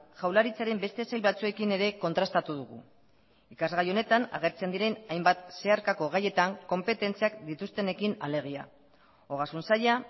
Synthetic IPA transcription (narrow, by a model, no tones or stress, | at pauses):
ʝawlaɾit͡saɾe̞mbe̞st̪e̞sajlβat͡sue̞kine̞ɾe̞ko̞nt̪ɾast̪at̪uð̞uɣṵ | ikazɣajo̞ne̞t̪ana̰ɣ̞e̞ɾt͡se̞nd̪iɾe̞najmbat̪se̞aɾkako̞ɣ̞aje̞t̪aŋko̞mpe̞t̪e̞nt͡siakd̪it̪ust̪e̞ne̞kinale̞ɾɣ̞ia̰ | o̞ɣasunsaja